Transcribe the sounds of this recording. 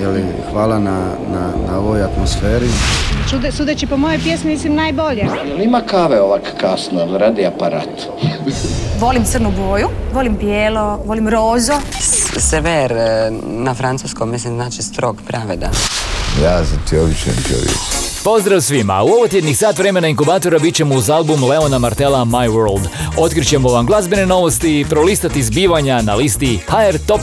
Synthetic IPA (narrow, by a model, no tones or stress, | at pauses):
jeli | xʋaːlana | nanaoʋojat̪mosfeːɾit͡ʃud̪sud̪et͡ʃipomojojpjesmimislimnaːjboʎejelimakaʋeoʋakkasnolɾad̪iapaɾaːt̪ | ʋo̞limt̪srnuɡoːjuʋolimpjeːloʋo̞limɾoːzoseʋeɾ | nafɾantsuskommislimznaːt͡ʃist̪ɾoɡpɾaʋed̪a̰jaːzat̪ʰioʋiʃḛmt͡ʃo̰ʋjḛkpo̞zd̪ɾawsʋima̰uo̞ʋot̪jed̪niksaːt̪ʋɾeme̞naiŋkubaːt̪o̞ɾabitt͡ɕemuzalˠbumle̞o̞namaɾt̪e̞lamajʋoɾlˠd̪o̞t̪kɾit͡ɕe̞mo̞ʋamɡlˠazbene̞no̞ʋo̞st̪iːpɾo̞list̪at̪izbiːʋaɲanalist̪ihaeɾt̪o̞p